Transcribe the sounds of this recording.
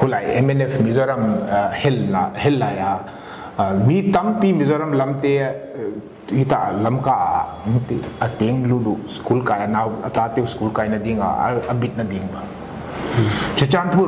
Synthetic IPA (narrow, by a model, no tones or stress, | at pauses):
kʰulaːjemenefʰmizoɾɐmhelahelːaːjaː | mit̪ɐmpimizoːɾɐmlɐmt̪e | it̪alɐmkaa̰ | uŋt̪eɐt̪eːŋluduskuːlkaːjanaːwɐt̪aːt̪euskuːlkaːjnɐd̪ĩːŋɡa̰ɐbit̪nɐd̪iːŋɡa | t͡ʃʰut͡ʃaːnpu